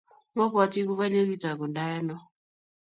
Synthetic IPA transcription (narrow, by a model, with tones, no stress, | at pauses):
ŋɔ˦pɔ˨ti˦ku˦ka˦ɲe˦ki˦ta˨ku˨nda˦ɛ˦nɔ˦